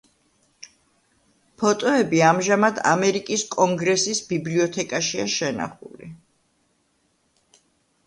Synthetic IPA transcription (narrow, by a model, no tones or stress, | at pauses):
pʰɔt̪ʼɔɛbiamʒamad̪a̰mɛɾikʼiskʼɔŋɡɾɛsisbibliɔt̪ʰɛkʼaʃiaʃɛna̰χṵlḭ